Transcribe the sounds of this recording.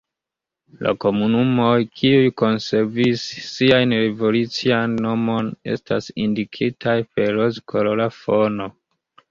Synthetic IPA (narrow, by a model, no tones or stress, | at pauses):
lʔa̰ko̞munumo̞jkʰiujko̞nse̞ɾvisːiajnɾe̞vo̞lut͡sianːo̞mo̞ne̞̰stasindikʰitʰajpe̞ɾɾozkʰololafo̞no̞